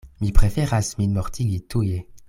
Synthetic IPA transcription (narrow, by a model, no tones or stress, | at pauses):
mipχefɛʁasminmɔʁt̪ʰiɡit̪uje